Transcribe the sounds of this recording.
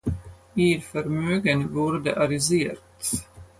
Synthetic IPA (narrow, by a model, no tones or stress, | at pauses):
iɾfœɾmøːɡənvuːɾd̪əʔaɾɪzeːɾt̪